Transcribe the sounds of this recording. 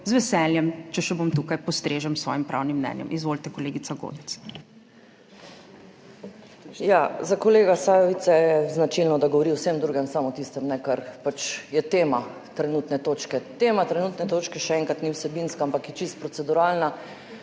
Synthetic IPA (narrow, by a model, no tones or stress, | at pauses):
zʋɛsɛljɛmt͡ʃɛʃɛbomt̪ukajpɔst̪ɾeːʒɛmsʋɔ̰ːjimpɾʔa̰wnimːnɛ̰njɛ̰mʔizʋolt̪ɛkɔleːɡit̪saɡo̰ːd̪ɛt̪s | jazakɔleːɡasaːjʋit̪sɛjɛznat͡ʃilnɔd̪aɡɔʋɔɾiwsemd̪ɾuːɡɛmsamɔt̪ist̪ɛmnɛkaɾpat͡ʃjɛt̪eːma | t̪ɾɛnut̪nɛt̪oːt͡ʃkɛt̪eːmat̪ɾɛnuːt̪nɛt̪oːt͡ʃkɛʃɛɛŋkat̪niwsɛbinskaampakjɛt͡ʃist̪̚pɾɔt̪ɛd̪uɾalna